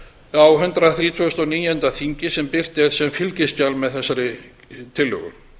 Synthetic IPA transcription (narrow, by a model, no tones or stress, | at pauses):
awɦʏnt̪ɾaθɾiːt̪ʰvœst̪ɔwniːjɛnt̪aθiɲcɪsɛmpɪr̥t̪ɛɾ̥sɛmfɪlcɪscalmɛðθɛsːaɾɪ | t̪ʰɪlːœ̰ɣʏ̰m